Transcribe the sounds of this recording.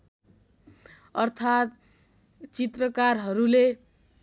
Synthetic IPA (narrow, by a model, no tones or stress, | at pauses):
ʌrt̪ʰat̪ | t͡sit̪rʌkarɦʌɾule